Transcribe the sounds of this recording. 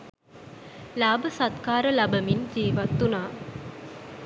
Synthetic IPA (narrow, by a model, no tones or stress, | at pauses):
laːbəsat̪kaːɾəlɐbəmind͡ʒiːʋat̪ːunaː